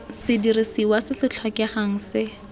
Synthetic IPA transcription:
sɪdirisiwasɪsɪt͡ɬʰakɛχaŋ̩sɪ

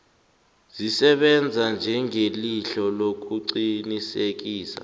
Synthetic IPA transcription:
zisɛɓɛnd͡zʱand͡ʒʱɛŋeliɬɔlok̬uǀinisek̬iːsa̰

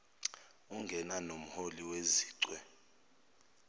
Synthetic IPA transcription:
uŋɡʱɛnanom̩holiweziːǀwɛ

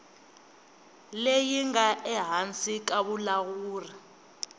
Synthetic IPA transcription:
lejiŋaʔɛɦant͡sʼik̬aɓulaɣuːri

